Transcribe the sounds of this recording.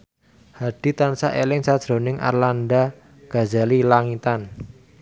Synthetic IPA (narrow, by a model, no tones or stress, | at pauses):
haɖ̥i̤t̪ansaʔelɪŋsad̥ʒ̥ɾo̤nɪŋʔa̰rlanda | ɡ̥a̤zalilaŋit̪an